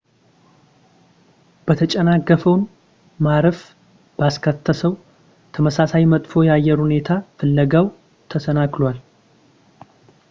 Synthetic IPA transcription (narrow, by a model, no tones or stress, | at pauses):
b̥ət̪ʰət͡ʃʼənakːəfəwn | maɾəf | b̥askʰət̪ʰːəsəw | t̪ʰəməsasajmət̪ʼfo̞jɛajːɛɾhune̞t̪ʰafɨlːəɡaw | t̪ʰəsənaklwal